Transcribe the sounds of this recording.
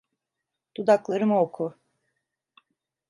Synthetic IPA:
t̪ʰud̪aklˠaɾɯmaokʰʊ

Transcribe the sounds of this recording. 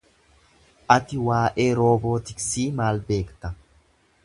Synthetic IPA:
ʔɐt̪ɪwaːʔe̞ːɾoːboːt̪ɪksiːmaːlbe̞ːkt̪ɐ

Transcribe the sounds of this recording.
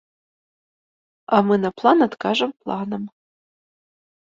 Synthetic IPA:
amɨnɐplˠɑnat̪kɑʒɤmplˠɑnəm

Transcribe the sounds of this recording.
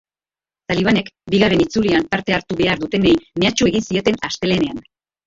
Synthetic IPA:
t̪aliβ̞ane̞kbiɣaɾe̞nit͡suliampaɾt̪e̞aɾt̪uβe̞aɾðut̪e̞nejme̞at͡ʃue̞ɣinsie̞t̪e̞nast̪e̞le̞ne̞an

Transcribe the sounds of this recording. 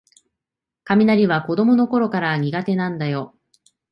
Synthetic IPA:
kamʲinaɾʲiβako̞d̪o̞mo̞no̞ko̞ɾo̞kaɾaɲ̟iɡat̪e̞nãnd̪ajo̞

